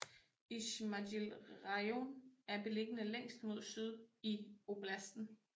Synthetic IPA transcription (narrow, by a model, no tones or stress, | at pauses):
iɕmædilʁɑɪonæɐb̥e̝le̝ɡ̥ənəleŋ̰sd̥mo̝ð̞̰ˠsyð̞ˠio̝b̥læsd̥n̩